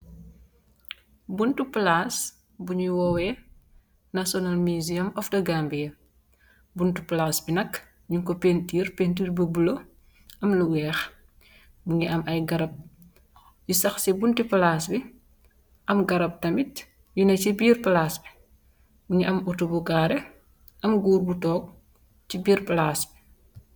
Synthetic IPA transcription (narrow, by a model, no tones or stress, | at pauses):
buntuplaːs | buɲuwɔwɛ | nɐsɔnalmiziɐmɔfdɐɡambijɐ | buntuplasbinɐk | ɲuŋkɔpentiːrpentiːrbɐbulo | ʔɐmluwɛːx | buɲiɐmʔɐjɡɐɾɐp̚ | jisɐxsibuntiplaːsbi | ʔɐmɡɐɾɐp̚tɐmit | junɐcibiːrplaːsbi̥ | buɲiʔɐmutubuɡaːɾɛ | ʔɐmɡuːɾbutɔːk̚ | cibiːɾplaːsbi̥